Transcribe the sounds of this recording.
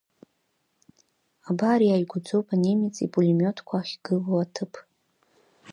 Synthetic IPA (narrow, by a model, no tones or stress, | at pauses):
abaɾjajɡʷʊd͡zo̞wpʰʼanemit͡sʼipʼulimʲotʰkʷʰaːχʲɡ̥ɨlowatʰɨpʰʼ